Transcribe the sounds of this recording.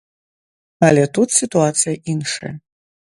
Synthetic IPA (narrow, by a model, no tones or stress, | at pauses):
alʲɛt̪ut̪sʲit̪uat̪sʰɨjɐʔinʂa̰jɐ